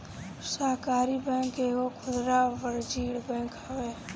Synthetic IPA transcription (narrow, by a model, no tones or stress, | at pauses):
səɦkaːɾibɛ̃ːkeːkokʰʊd̪ɾaːʋəɾd͡ʒiːɽbɛ̃ːkɦəʋe